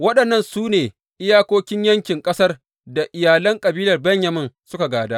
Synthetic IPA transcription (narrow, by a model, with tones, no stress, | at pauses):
wɐ˦ɗɐ˨nːɐ˦˨nsuː˦neː˨ | ʔɪ˦jaː˦kʷoː˦kʲɪ˦ɲjɐ˦ŋkʲɪ˨ŋkʼɐ˦sɐ˦r | da˨ʔɪ˨jaː˨lɐ˦ŋkʼɐ˨biː˦lɐ˨rbɐ˦ɲjɐ˨mɪ˦nsʊ˦ka˨ɡaː˨daː˦ʔ